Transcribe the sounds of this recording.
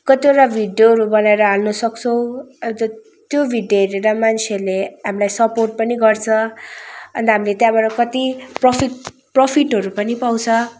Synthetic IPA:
kʌt̪ioʈabʱiɖjoɦʌɾubʌnaeɾʌalnʌsʌkt͡sʰʌw̃ʌwt̪ʌ | t̪jobʱiɖjoɾeɾʌmant͡sʰeleɦamilajsʌporʈ̚pʌniɡʌrt͡sʰʌ | ʌnd̪aɦamilet̪jãbaʈʌkʌt̪iprʌpʰiʈ | propʰiʈɦʌɾupʌnipaw̃t͡sʰʌ

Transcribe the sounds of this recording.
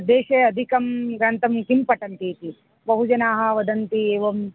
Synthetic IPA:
d̪eːʃeːɐd̪ʱikɐmɾɐnt̪ɐmkimpɐʈɐnt̪iːt̪i | bɐɦud͡ʒɐnaːɦɐ̆ʋɐd̪ɐnt̪ieːʋɐm

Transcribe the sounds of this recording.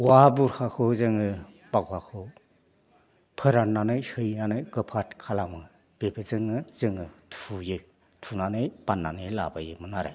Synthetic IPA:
wabuɾkʰakʰɯzɯŋɯ | b̥aɡwakʰɯ | pʰɯɾanːanɯjhɯjnanɯjɡɯpʰatkʰalamɯ | b̥ebɯzɯŋɯzɯŋɯtʰujɯ | tʰunanɯjb̥anːanɯjla̰bajɯmɯnaɾa̰

